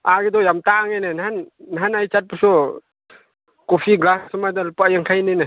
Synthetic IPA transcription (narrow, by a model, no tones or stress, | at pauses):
aɡedɔjamtaŋajnenɦanːɦanajt͡ʃat̚pusɔ | kɔpʰiɡlassɔmadalupajaŋkʰajnina